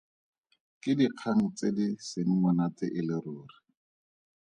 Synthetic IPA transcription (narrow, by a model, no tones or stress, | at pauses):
kɪdiq͡χʰaŋ̩t͡sedɪseŋ̩ŋɔnat͡sɪʔɪlɪɾʊːrɪ